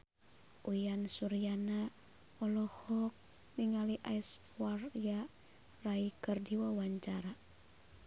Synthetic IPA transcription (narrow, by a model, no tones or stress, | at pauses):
ʔujansuɾiana | ɔlɔhɔk̚ | niŋaliʔajs | uwarja | raikɨrdiwawaɲt͡ʃaɾa